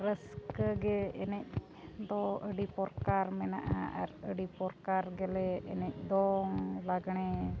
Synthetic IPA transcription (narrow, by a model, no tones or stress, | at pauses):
ɾəskəɡɛɛnɛc̚ | d̪ɔəɖipɔɾkaɾmɛna̰ʔa̰a̰ɾəɖipɔɾkaɾɡɛlɛːnɛc̚ˀd̪ɔŋlaɡɳɛ